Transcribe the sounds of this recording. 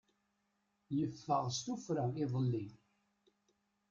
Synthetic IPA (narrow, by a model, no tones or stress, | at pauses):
jəfːəʁst̪ufɾaiðˤəlːi